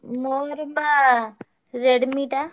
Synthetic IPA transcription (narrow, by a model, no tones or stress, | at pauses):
mɔɾumba | ɾeɽumiːʈa